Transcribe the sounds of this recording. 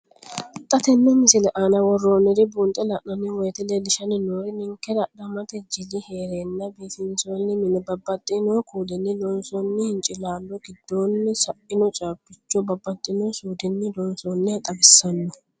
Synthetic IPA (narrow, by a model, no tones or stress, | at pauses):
t̪ʼːɐt̪ɛnːɔmɪsɪlɛʔaːnɐwɔrːoːnːɪd̪ɪbuːnt̪ʼɛlɐʔnɐnɪwɔjt̪ɪlɛd̪ɪʃɐnɪnoːɾɪnɪŋkːɛdɐɗɐmɐt̪ɛd͡ʒɪlɪheːɾeːnːɐbiːfɪnsoːnːɪmɪnɛbɐbːɐt̪ʼːɪnɔkuːd̪ɛnːɪlɔnsɔnːɪhɪnt͡ʃʼɪlaːlːɔɡɪd̪ːoːnːɪsɐʔɪnɔt͡ʃʼaːpːɪt͡ʃːɔbɐbːɐt̪ʼːɪnɔsuːd̪ɪnːɪd̪ɔnsɔnːɛt̪ʼɐɡɪsːɐnːɔ